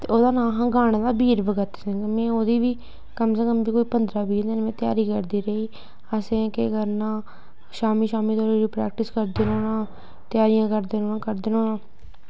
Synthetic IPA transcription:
t̪eːoːd̪aːnãːɦãːɡaːɽ̃d̪aːbiːɾbəɡət̪ːsɛ̃ŋɡmɛ̃ːoːd̪iːʋiː | kəmseːkəmbiːkoːiːpənd̪ɾaːbiːɾd̪ẽːnmɛ̃ːt̪ɪja̰ːɾiːkəɾd̪iːɾəiː | əsẽːkeɡəɾnãː | ʃaːmiːʃaːmiːt̪oːɾɾiːpɾɛ̰ːk̚ʈɪskəɾd̪eːnoːnãː | t̪jaːɾɪjãːkəɾd̪eːnoːnãːkəɾd̪enoːnãː

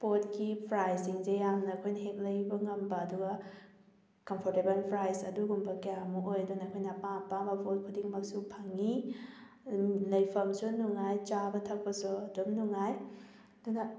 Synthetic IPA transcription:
pot̚kipʰɾajsiŋzejamnɐːkʰojnɐɦek̚lɐjbɐŋɐmbɐːduɡɐ | kɐmpʰoɾtebɐlpʰɾajsɐ̰duɡumbɐkɐjamuʔojdunɐkʰojnɐpapamɐpot̚kʰudiŋmɐk̚supʰɐŋi | lɐjpʰɐmsunuŋajt͡ʃabɐtʰɐk̚pɐsuɐdomnuŋaj | dunɐ

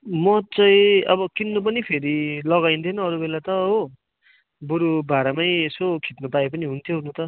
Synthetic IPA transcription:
mʌt͡sʌĩʌbʌkinːup̬ʌnipʰeɾilʌɣajnt̪ʰenʌʌɾubelat̪ʌɦo | buɾubʱaɾamʌjesokʰit̪nupaepʌniɦunt̪ʰjoɦunũt̪ʌ

